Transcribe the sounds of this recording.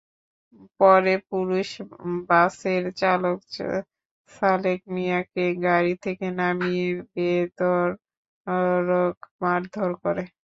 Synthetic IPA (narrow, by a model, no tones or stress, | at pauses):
pɔɾepuɾuʃbaseɾt͡ɕalok | salek̚mijakeɡaɾit̪ʰekenamijebed̪ɔɾ | ɾokmaɾd̪ʱoɾkoɾe